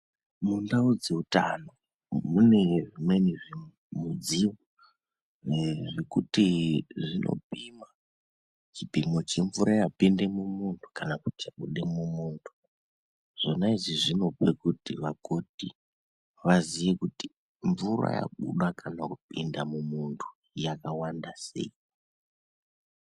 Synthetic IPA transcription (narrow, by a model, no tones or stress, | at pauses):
mundaud͡ze̞uta̰no̞ | mune̞ʐimweniʐe | mud͡ziwo | ʐekutiʐinʔo̰bʱima | t͡ʃibʱimo̞t͡ʃe̞ɱvuɾajapinde̞mumuntʰu̥kanakutiaɓuɗemumuːntʰu̥ | ʐ̥o̞naiʐiʐino̞pekutiʋaɡo̞ti | ʋazije̞kuti̥ | ɱvura̰ja̰ɓṵɗakʰanakupindamumuntʰu̥ | jakawandase̞̰i